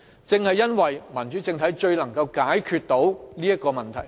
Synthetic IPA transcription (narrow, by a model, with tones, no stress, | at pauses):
t͡sɪ˨˧ŋhɐ˨jːɐ˥nwɐ˨˩jmɐ˨˩nt͡ʃyː˨˥t͡sɪ˧ŋt̪ʰɐ˨˥jt͡ʃɵ˧ɥlɐ˨˩ŋkɐ˧wkaː˨˥jkʰyː˧t̚t̪o˨˥wliː˥jɐ˥t̚kːɔː˧mɐ˨˩nt̪ʰɐ˨˩j